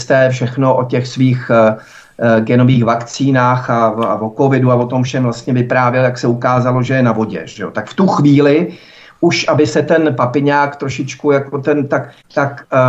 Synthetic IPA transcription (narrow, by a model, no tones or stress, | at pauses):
st̪ɛːfʃɛxnoʔocɛxsviːx | ɡɛnoviːxvakt͡siːnaːxaavoko̞vɪduavo̞t̪omfʃɛmvlast̪ɲɛvɪpɾaːvjɛljaksɛukaːzalo̞ʒɛjɛnavo̞ɟɛ̰ʒʒ̥ɛot̪akft̪uxviːlɪ | ʔuʃʔabɪsɛt̪ɛnpapɪɲaːkt̪ɾoʃɪt͡ʃkujakot̪ɛnt̪ak | t̪ak